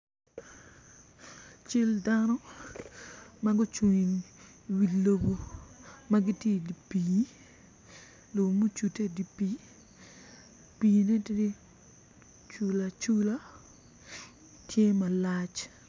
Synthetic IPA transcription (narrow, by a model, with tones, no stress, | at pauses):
t͡ʃi˦ldanɔ˦ | ma˦ɡʊ˦t͡ʃu˨ɲi˨ŋ | wi˨lo˦bo˨ma˦ɡi˦tje˦˨di˨pi˨ | lo˨mo˦t͡ʃu˨te˦di˨pi˨˦ | pi˨ne˦t | t͡ʃu˨la˨t͡ʃu˦la˦ | tʰje˦ma˨la˦t͡ʃ